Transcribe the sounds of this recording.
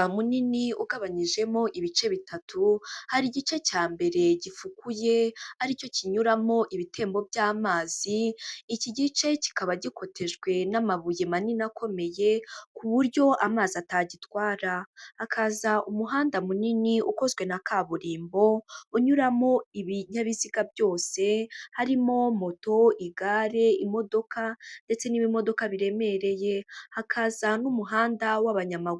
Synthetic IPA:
muniniuɡaβaɲiʒe̞mo̞ʔiβit͡ʃe̞βitʰatʰuhaɾiɟit͡ʃe̞caːmbe̞ɾe̞ɟifukuje̞aɾico̞ciɲuɾamo̞ʔiβitʰe̞ːmbo̞bjaːmaːz̥iːciɟit͡ʃe̞ci̥kaβaɟiko̞tʰe̞ʒɡwe̞namaβuje̞maninakʰo̞me̞je̞kuβuɾɟo̞ʔamaːziataɟitwaːɾahakʰazaʔumuɦaːndamuniniʔuko̞zɡwe̞nakaβuɾiːmbo̞uɲuɾamo̞iβiɲaβiziɡabjo̞ːse̞haɾimo̞mo̞to̞iɡaɾe̞imo̞do̞kʰande̞t͡se̞niːβimo̞do̞kaβiɾe̞me̞ɾe̞je̞hakʰazanumuɦaːndawaβaɲamaɡu

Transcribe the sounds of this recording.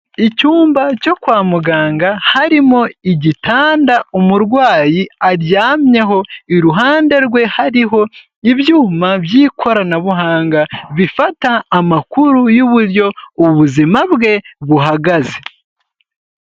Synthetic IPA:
icuːmbaco̞kwaːmuɡaːŋɡahaɾimo̞iɟitʰaːndaumuɾɡwaːjiaɾjaːmɲe̞ɦo̞iɾuɦaːnde̞ɾɡwe̞haɾiɦo̞ | iβjuːmaβjiːkʰo̞ɾanaβuɦaːŋɡaβifataːmakuɾujuβuɾjo̞uβuzimaβɡe̞βuɦaɡaze̞

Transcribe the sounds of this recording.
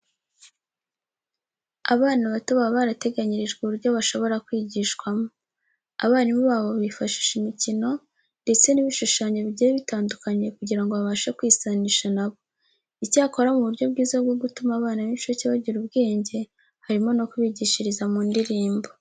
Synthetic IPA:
a̰βaːnaβatoβaβaːɾate̞ɡaɲiɾiʒɡuβuɾɟo̞βaʃo̞βo̞ɾakwiːɟiʃkwamo | a̰βaːnimoβaːβo̞βifaʃi̥ːʃimicino̞ | nde̞t͡se̞niβiʃuʃaːɲe̞βiɟijβitaːndukaɲe̞kuɟiɾaŋɡo̞βaβaːʃakwiːsaniʃanaβo̞ | icaːko̞ɾamuβuɾɟo̞bɡiːzabɡo̞ɡutumaβaːnaβiʃociβaɟiɾubɡe̞ːɲɟe̞ | haɾimo̞no̞kuβiɟiʃiɾizamuːndiɾiːmbo̞

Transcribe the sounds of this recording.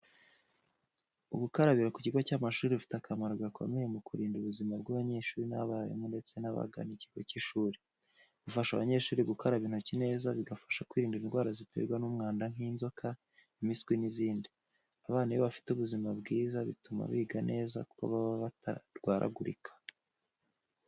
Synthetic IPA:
uɡukaɾaβiɾaku̥ciɡocaːmaʃuːɾifi̥takʰamaɾoɡakʰo̞̰me̞je̞mukuɾiːnduβuzimabɡaβaɲe̞ːʃuːɾina̰βaːjḛmŋonde̞t͡se̞naβa̰ɡa̰niciɡociʃuːɾi | ɡufaʃaβaɲeʃuːɾiɡukʰaɾaβiːn̥ucine̞ːzaβiɡafḁʃakwiːɾiːndiɾinɡwaːɾazitḛɾɡwanumŋaːndaŋ̥iːnzo̞kʰa | imiskwiniziːndi | aβaːnajoβafi̥tuβuzimabɡiːzaβḭtuma̰βiːɡanʔe̞ːza̰ku̥ko̰βaββataɾɡwaːɾa̰ɡuɾḭkʰḁ

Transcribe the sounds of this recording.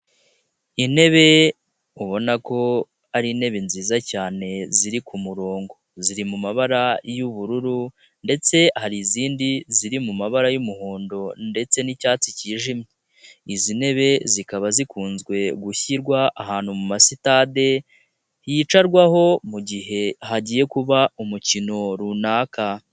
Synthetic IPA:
ine̞βe̞ | uβo̞nako̞ | aɾine̞βenziːzacaːne̞ziɾikʰumuɾo̞ːŋɡo̞ziɾimumaβaɾajuβuɾuɾu | nde̞t͡se̞haɾiziːndiziɾimumaβaɾajumuhoːndo̞nde̞t͡se̞nicaːt͡siciːʒimɲe | izine̞βe̞zikaβazikʰuːnzɡwe̞ɡuçiɾɡwaʔaɦaːnhumumasitade̞ | hit͡ʃaɾɡwaho̞muɟiɦe̞haɟiːje̞kuβaumucino̞ɾunaːka

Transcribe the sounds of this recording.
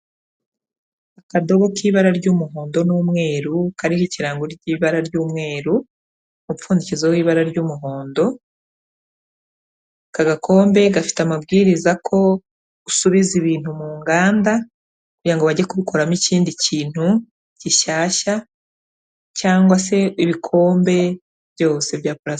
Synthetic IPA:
akado̞ɡo̞kiβaɾaɾɟuːmuɦo̞ːndo̞nuːmŋe̞ːɾukaɾihiciɾaːŋɡoɾɟiːβaɾaɾɟuːmŋe̞ːɾu | mufuːndicizewiːβaɾaɾɟuːmuɦo̞ːndo̞ | kaɡakʰo̞ːmbe̞ɡafi̥tamabɡiːɾizakʰo̞̥ | usuβiziβiːn̥humuːŋɡaːnda | kuɟɾaŋɡoβaɟekuβiko̞ɾamiciːndiciːn̥hu | ɟiʃaːʃa | caːŋɡwase̞iβikʰo̞ːmbe̞ | βɟo̞ːse̞βjaːpuɾas

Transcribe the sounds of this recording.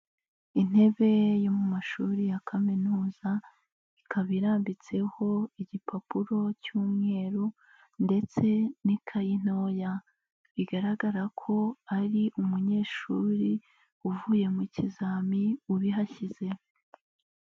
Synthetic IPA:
in̥e̞βe̞jomumaʃuɾijakʰaminuːza | ikʰaβiɾaːmbit͡se̞ho̞iɟipapuɾo̞cuːmŋe̞ːɾu | nde̞t͡se̞nikʰajin̥o̞ːja | βiɡaɾaɡaɾakʰo̞aɾiʔumuɲe̞ːʃuːɾi | uvuːje̞mucizaːmiuβiɦaçize̞

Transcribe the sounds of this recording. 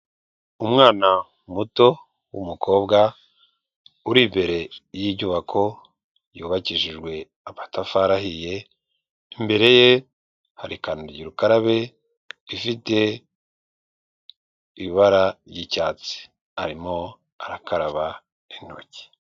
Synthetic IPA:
umŋaːna | muto̞ | wṵmukʰo̞ːbɡa | uɾimbe̞ɾe̞jiːbɟuβakʰo̞ | juːβaciʒiʒɡwe̞ | aβatafaɾaɦije | imbe̞ɾe̞je | haɾikanuɾɟiɾukaɾaβe̞ | ifite̞ | iβaɾaɾjicaːt͡si̥ | aɾimo̞ | aɾakʰaɾaβa | in̥o̞̰ci̥

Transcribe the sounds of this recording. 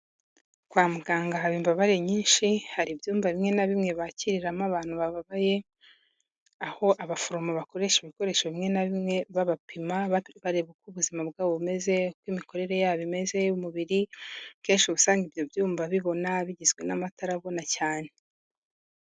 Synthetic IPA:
kwaːmuɡaːŋɡaɦaβiːmbaβaɾe̞ɲiːnʃihaɾibjuːmvaβimŋe̞naβimŋe̞βaciɾiɾamaβaːn̥huβaβaβaje̞ | aho̞ʔaβafoɾomoβako̞ɾe̞ʃeβiko̞ɾe̞ʃaβimŋe̞naβimŋe̞βaβapʰimaβaɾeβukuβuzimabɡaːβoβume̞ze̞kwimiko̞ɾe̞ɾejaːβime̞ze̞umuβiɾike̞ːnʃuβusaːŋɡibjo̞bjuːmbaβiβo̞naβiɟizɡwe̞namataɾaβo̞nacaːne̞

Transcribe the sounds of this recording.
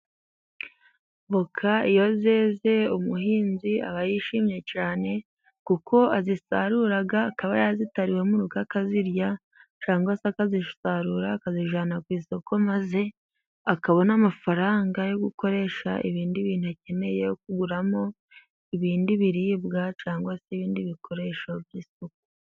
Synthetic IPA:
βokʰaijo̞zeze̞umuhiːnzia̰βajiʃiːmɲe̞caːne̞ | kukʰo̞azisa̰ɾuɾaɡaːkaβajaazitaɾiwe̞muɾuɡakaziɾja | t͡ʃaːŋɡwasakaziʃu̥saɾuɾaːkaziʒanakwiːsokomaze̞ | akaβo̞namafaɾaːŋɡajo̞ɡuko̞ɾe̞ʃa̰ʔḭβiːndiβiːn̥uace̞me̞jejok̚uɡuɾamo̞ | iβiːndiβiɾiːbɡat͡ʃaːŋɡwaseβiːndiβikʰo̞ɾe̞ʃobjiːsuku̥

